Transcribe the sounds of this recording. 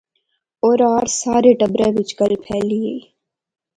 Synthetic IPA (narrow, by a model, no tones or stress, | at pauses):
oːɾaːɾsaːɾeːʈəbɾeːʋɪt͡ʃɡəlpʰɛːlieː